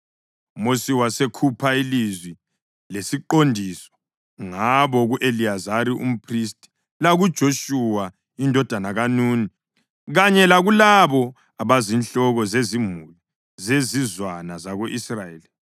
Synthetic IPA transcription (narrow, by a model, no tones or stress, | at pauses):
umosiwasekʰupʰailizwi | lesiǃondʱisɔ̥ | ŋaβɔɣuʔeliazaɾiʔṵm̩pʰristʼi̥ | laɣud̥ʒ̥ʱoʃuwa | indʱɔd̥ʱanaɣanuːni | ɣaɲɛlaɣulaβɔ | aβazinɬɔɣɔzezimuli | zezizwanazaɣoʔisrajeːli